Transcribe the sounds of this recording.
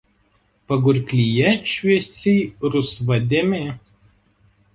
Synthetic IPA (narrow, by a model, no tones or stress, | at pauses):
pɐɡʊɾʲkʲlʲijɛʃʲʋʲiɛsʲɛːɾʊsʋɐd̪ʲɪmʲeː